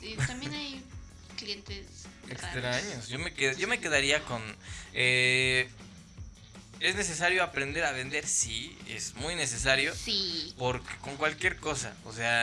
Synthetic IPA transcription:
it̪ambjenaj | kljent̪esekst̪ɾaɲosʝo̞me̞keðʝo̞me̞ke̞ðaɾiako̞ne | e̞zne̞s̬e̞saɾjo̞apɾend̪e̞ɾaβe̞nd̪e̞ɾsiḛzmujne̞s̬e̞saɾjo̞sipo̞ɾke̥ko̞ŋkwalkje̞ɾko̞sa̰o̰se̞a

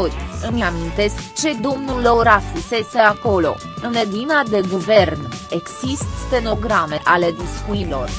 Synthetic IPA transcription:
oɾʲɨmeamint̪e̞skt͡ʃe̞d̪omnulo̞ɾafuse̞se̞ako̞lo̞̰ | ɨnled̪inad̪e̞ɡuve̞rne̞ɡsist̪t̪eno̞ɡɾame̞ʔale̞d̪iskuilo̞r

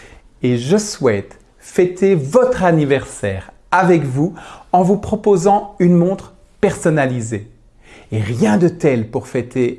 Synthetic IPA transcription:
eʒəswɛt̪ | fɛt̪evɔt̪χanivɛʁsɛːʁ | avɛkvuɑ̃vupχɔpozɑ̃ynmɔ̃t̪χ | pɛʁsɔnalizeː | ʁjɛ̃d̪ət̪ɛlpuʁfɛt̪e

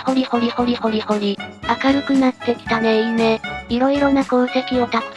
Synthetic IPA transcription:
ho̞ɾʲiho̞ɾʲiho̞ɾʲiho̞ɾʲiho̞ɾʲiakaɾɯ̟kɯ̟nat̪ːe̞kʲi̥t̪aneine̞iɾo̞iɾo̞nako̟ːt̪e̞kʲio̞t̪a

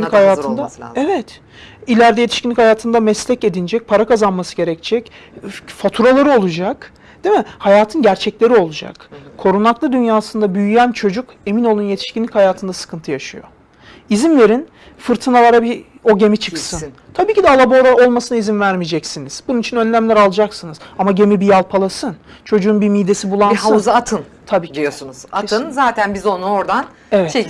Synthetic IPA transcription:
nʲːihajaːt̪ʰɯnd̪aɛvɛt̪ | ilʲæɾd̪ɛje̞t̪ʰiʃcinlʲichajaːt̪ʰɯnd̪amɛslʲɛce̞d̪ind͡ʒɛc̚pʰaɾakʰazanmasɯɟe̞ɾɛc̚t͡ʃʰɛc | fat̪ʰuɾalˠaɾɯo̞lˠud͡ʒak | d̪̥emɛhajaːt̪ʰɯnɟæɾt͡ʃʰɛclʲe̞ɾio̞lˠud͡ʒa̰kkʰːo̞ɾunaklˠɯd̪ynjaːsɯnd̪abyjyjænt͡ʃʰo̞d͡ʒuk | e̞mino̞lˠunje̞t̪ʰi̥ʃkʲinlʲichajaːt̪ʰɯnd̪asɯ̥kʰɯnt̪ʰɯjaʃɯjo̞̰ | izinve̞ɾin | fɯɾt̪ʰɯnalˠaɾabi | o̞ɟe̞mit͡ʃʰɯksɯn | t̪ʰabiːcid̪ɛalˠaboɾao̞lˠmasɯnaizinvæɾmid͡ʒɛcsiniz̥bununit͡ʃʰinø̞nlʲæmlʲæɾalˠɯd͡ʒaksɯnɯz̥amaɟe̞mibijalˠpʰalˠasɯnt͡ʃʰo̞d͡ʒuunbimijd̪e̞sibulˠanhazaat̪ʰɯnt̪ʰabiːd̪ʲijosunuza̰t̪ʰɯnzaːt̪ʰænbizo̞nuoɾd̪an | evɛtt͡ʃ

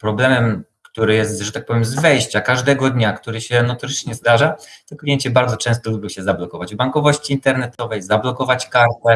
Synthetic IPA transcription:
pɾɔblɛmɛmkt̪uɾɘjɛst̪zʐɛt̪ak̚pɔvʲjɛmzvɛjɕt͡ɕakaʐd̪ɛɡɔd̪ɲakt̪uɾɘɕɛnɔt̪ɔɾɘt͡ʂɲɛzd̪aʐat̪ɔklʲijɛɲt͡ɕɛbaɾd̪zɔt͡ʂɛ̃st̪ɔlubʲɔɕɛzablɔkɔvad͡ʑbaŋkɔvɔɕt͡ɕiːnt̪ɛɾnɛt̪ɔvɛjzablɔkɔvat͡ɕkaʒd̪ɛ

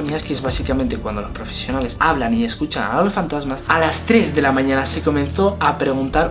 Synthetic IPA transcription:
miɲaskeezβasikamẽnt̪e̞kwand̪o̞lo̞spɾo̞fe̞sjo̞nale̞saβlanieskut͡ʃana̰lo̞sfant̪azmasalast̪ɾezðe̞lamãɲãnase̞ko̞mẽ̞nθo̞apɾe̞ɣ̞unt̪aɾ

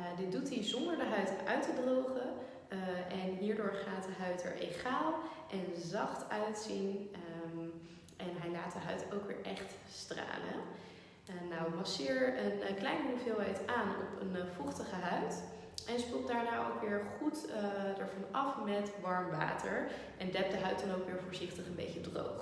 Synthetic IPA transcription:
dɪt̚dutizɔndəɹdəɦœɥtʔœɥtədrowχə | ʔɛnɦiːɹdʊːɹχaːtdəɦœɥtɛ̰ɹʔeχaːlˠʔɛnzɑχtœɥtsin | ʔɛnɦɛjlaːtdəɦœɥtowkʋɪ̰ːɹʔɛχtstra̰ːlə̰ | nawʋɑsɪːɹənklɛjnəuvɪlˠɦɛjtaːnɔ̰pʰənfɔχtəχəɦœɥt | ʔɛnspøl̚ˠdaːɹnaːʔo̰wkʋɪːɹχutdəɹvɑnɑfmɛtʋɑɹmʋa̰ːtəɹ | ʔɛndɛp̚dəɦœɥtɑnowkʋɪːɹvoːɹzɪχtəχənbḛjcədro̰wχ

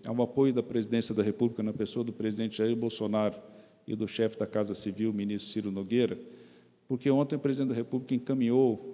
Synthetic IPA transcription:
a̰wapojʊd̪ɐpɾezid̪ẽsiɐd̪ɐɦepublikɐnɐpesoɐd̪ʊpɾezid̪ẽnt͡ʃɪʒaiɾbowsonaɾʊ | ɪ̰d̪ʊʃɛfɪd̪ɐkazɐsiviwmĩnist̪ɾʊsiɾʊnoɡeɾɐ | poɾkeõt̪ẽj̃ʊpɾezid̪ẽd̪ɐɦepublikɐẽkɐ̃mĩɲow

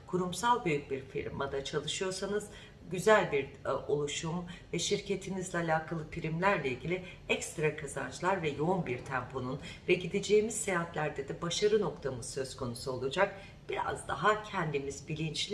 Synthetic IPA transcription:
kʰuɾumsalˠbyjyc̚biɾfḭɾmad̪at͡ʃʰalˠɯʃɯjo̞ɾsanɯz̥ | ɟyzælʲbiɾo̞lˠuʃumvɛʃiɾcʰe̞t̪ʰinizlʲɛalʲaːkʰalˠɯfiɾimlʲæɾlʲɛilʲɟʲilʲi | ɛkst̪ɾakʰazant͡ʃlˠaɾvɛjo̞unbiɾt̪ʰæmpʰo̞nunvɛɟid̪ed͡ʒeːmiz̥sejat̪lʲæɾd̪ed̪ɛbaʃaɾɯno̞kt̪ʰamɯz̥sø̞zkʰo̞nusuo̞lˠud͡ʒak̚ | b̥iɾa̰zd̪aɦacʰɛnd̪imizbilʲint͡ʃlʲ

